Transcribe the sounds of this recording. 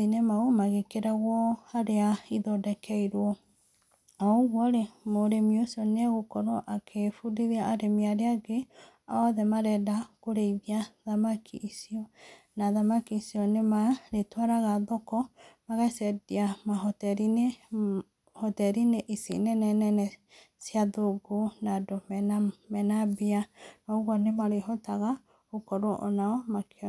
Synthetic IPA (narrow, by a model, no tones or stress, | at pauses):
inemaomaɣekeɾaɣwɔaɾeaiðɔdɛkɛiɾwɔ | aɣwɔɾemoɾemiosiɔneaɣokɔɾoʔakʰefudiɾiaːɾemiaɾeaɡe | aɔðɛmaɾɛdakoɾeiðiaðamakʰiʔːsiɔ | naðamakiːsiɔnemaɾetwaɾaɣaðɔkɔmaɣasɛdiamaɦɔtɛɾine | hɔtɛɾineʔisḭnɛnɛnɛnɛ | sjaðoɡonadomɛnamɛnabianɔɣwɔnemaɾehɔtaɣa | okɔɾoʔɔnaɔmakeɔ